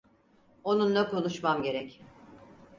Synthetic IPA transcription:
o̞nunːɛko̞nuʃmamɟe̞ɾɛc

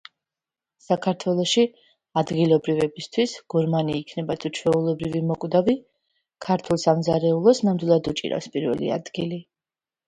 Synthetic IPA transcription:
sakʰaɾt̪ʰwɛlˠɔʃi | ad̪ɡilˠɔbɾivɛbist̪ʰwisɡ̥ɔɾmaniːkʰnɛbat̪ʰut͡ʃʰwɛulˠɔbɾivimɔkʼd̪avi | kʰaɾt̪ʰulˠsamzaɾɛulˠɔsnamd̪wilˠad̪ut͡ʃʼḭɾa̰fspʼiɾvɛ̰lḭa̰d̪ɡili

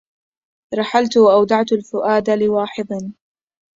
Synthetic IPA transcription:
ɾˤɑħalt̪ʊwaʔawd̪ɑʕt̪alfʊʔaːd̪alɪwɑːħɪd̪ˤn

